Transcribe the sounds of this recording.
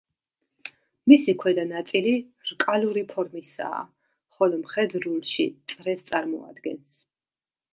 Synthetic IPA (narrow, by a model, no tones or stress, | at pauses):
misikʰwɛd̪anat̪sʼiliɾkʼaluɾipʰɔɾmisa̰ː | χɔlɔmχɛd̪ɾulˠʃḭt̪sʼɾɛst̪sʼaɾmɔ̰a̰d̪ɡɛns